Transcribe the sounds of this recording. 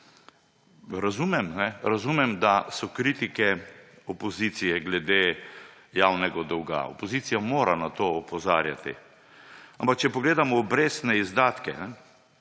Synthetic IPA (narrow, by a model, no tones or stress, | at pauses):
ɾazumɛmnɛɾazumɛmd̪asɔkɾiːt̪ikɛ | ɔpɔzit̪sijɛɡlɛd̪eː | jawnɛɡad̪ɔwɡa̰o̰pɔziːt̪sijamoːɾanat̪oːɔpɔza̰ːɾja̰t̪ḭ | ampak̚t͡ʃɛpɔɡleːd̪amɔːbɾeːst̪nɛizd̪aːt̪kɛ̰nɛ